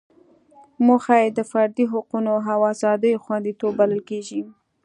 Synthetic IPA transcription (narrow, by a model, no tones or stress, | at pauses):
muxajed̪əfaɾd̪iɦʊqunoɦawɑzɑd̪əjoxwand̪it̪obːaləlkeʒi